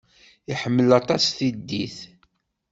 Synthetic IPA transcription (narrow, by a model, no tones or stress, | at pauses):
iħəmːəlɑt̪ˤɑsθid̪ːiθ